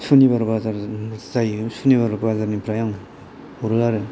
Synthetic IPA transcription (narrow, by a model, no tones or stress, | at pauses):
sʰunibaɾbazaɾzajsʰunibaɾbazaɾnipʰɾajaŋ | uɾɯaɾɯ